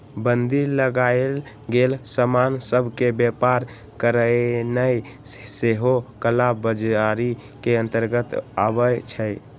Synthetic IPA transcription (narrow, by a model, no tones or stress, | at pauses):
bənd̪iləɡael | ɡelsəmansəbʱkebjepaɾ | kəɾənəjseɦokəlabbəd͡ʒaɾikeə̃nt̪əɾɡət̪a̰bət͡ʃʰəj